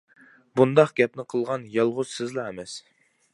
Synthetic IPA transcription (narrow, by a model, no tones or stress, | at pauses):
bund̪ɑqɡʲɛpnɪqʰəlˠʁɑnjɑlˠʁʊz̥sɪzlˠɑɛmɛs